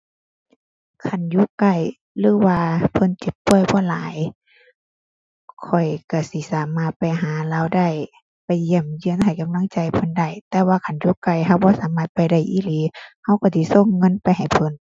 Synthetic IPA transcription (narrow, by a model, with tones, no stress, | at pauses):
kʰa˧˩˨njuː˧˦˨ka˧˩j | lɯː˨˧˦waː˧pʰɤ˧˥˨nt͡ɕi˨˧˦ppːu˧˩əjbɔː˧˦laː˨˦j | kʰɔ˨˩jka˧˩si˧˦saː˨˦maː˧˩t̪̚pa˨jɦaː˨˦laː˧˨wda˧˩˨j | pa˨jːi˧˩˨mjɯ˧ə˨nha˨˩jka˧˦mla˧˥˨ŋt͡ɕa˧jpʰɤ˧˥nda˧˩˨jt̪ɛː˧waː˧kʰa˧˩˨njuː˧˨ka˧˩jɦa˧˩wbɔː˧˦saː˨˦maː˧˩t̪̚pa˨jda˧˩jʔiː˧˥˨liː˨˦ha˧˨wka˧˩si˧˦so˧˥˨ŋːɤ˧˥˨npa˧˨jɦa˨˩jpʰɤ˧˥˨n